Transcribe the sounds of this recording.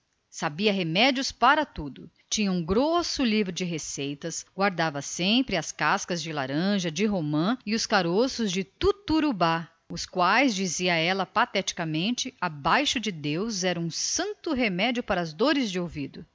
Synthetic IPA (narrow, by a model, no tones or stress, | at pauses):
sabiɐɦemɛd͡ʒiʊspaɾɐt̪ud̪ʊ | t͡ʃĩɲɐũɡɾosʊlivɾʊd͡ʒɪɦesejt̪ɐsɡ̥waɾd̪avɐsẽpɾɪɐskaskɐzd͡ʒɪla̰ɾɐ̃ʒɐd͡ʒɪɦomɐ̃ɪʊskaɾosʊzd͡ʒɪt̪ut̪uɾuba | ʊskwajzd͡ʒiziɐɛlɐpat̪ɛt͡ʃi̥kɐmẽnt͡ʃɪabajʃʊd͡ʒɪd̪ewzɛɾɐũsɐ̃nt̪ʊɦemɛd͡ʒiʊpaɾɐːzd̪oɾɪzd͡ʒɪowvid̪ʊ